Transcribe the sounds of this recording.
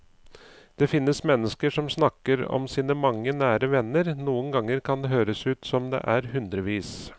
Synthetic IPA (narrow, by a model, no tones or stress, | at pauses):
d̪̥ɛfɪnːəsmɛnːəskəʂɔmsnɑkːəɾɔ̰msiːnəmɑŋːənæːɾəʋɛnːəɾnuːənɡɑŋːəɾkʰɑnd̪ɛɦøːɾəsʉːt̪sɔmd̪ɛ̰ʔæɾɦʉnd̪ɾəʋiːs